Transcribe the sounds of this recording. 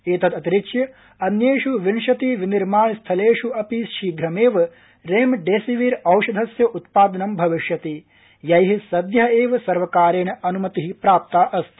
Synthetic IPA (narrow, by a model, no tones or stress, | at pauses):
eːt̪ɐt̪ɐt̪iɾiʃjɐ | ɐnjeːʃuʋinʂɐt̪iʋiniɾmaːɳist̪ʰɐleːʂuʔɐpiʃiːɡɾɐmeːʋɐ | ɾeːmɖeːsiʋiɾɐwʃɐd̪ʱɐsjɐʔut̪̚paːd̪ɐnɐmbʱɐʋiʃjɐt̪i | jɐjɦisɐd̪jɐeːʋɐsɐɾʋɐkaːɾeːɳɐʔɐnumɐt̪iɦipɾaːp̚t̪aːʔɐst̪ʰ